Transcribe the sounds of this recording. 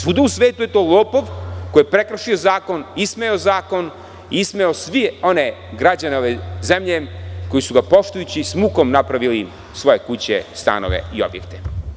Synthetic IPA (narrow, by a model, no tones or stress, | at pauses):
sud̪uusʋeːt̪uje̞t̪o̞ːlˠoːpoʋkojepɾekɾʃiozaːkonismeozaːko̞n | iismeosʋio̞ne̞ɡɾad͡ʑaneoʋezemʎeko̞jisuɡapo̞ʃt̪ujut͡ɕismuːko̞mnapɾaʋili | sʋo̞je̞kut͡ɕḛst̪a̰no̞̰ʋe̞̰io̞̰bjḛkt̪e̥